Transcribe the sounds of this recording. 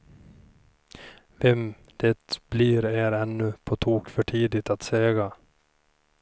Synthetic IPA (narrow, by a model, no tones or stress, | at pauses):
ʋɛm | d̪̥ɛt̪b̥liːɾeːɾɛnːʉpʰot̪ʰuːkfœʈʰiːd̪ɪt̪at̪seːɡa